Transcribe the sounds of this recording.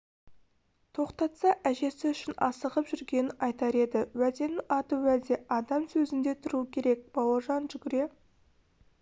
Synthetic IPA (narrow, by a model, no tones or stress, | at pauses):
t̪ʰo̞qt̪ɑt̪sɑʔæʒe̞sɪʏʃɪnɑsəʁəpʒʏɾɡʲe̞nɪnɑjt̪ɑɾe̞d̪ɪwæd̪e̞nɪʔɑt̪əwæd̪e̞ʔɑd̪ɑmsɵzɪnd̪e̞t̪ʰʊɾukʲʰe̞ɾe̞k̚b̥ɑwəʒɑnʒʏɡʲɪɾe̞